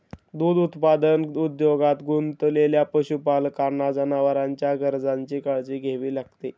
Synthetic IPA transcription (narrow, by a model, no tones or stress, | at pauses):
d̪uːd̪ut̪pad̪ənud̪joɡat̪ɡunt̪leljapəɕupalkaɾɳad͡zanaʋəɾaɲt͡ɕjaɡəɾd͡zaɲt͡ɕiːkaɭd͡ziːɡʱeʋiːlaɡt̪e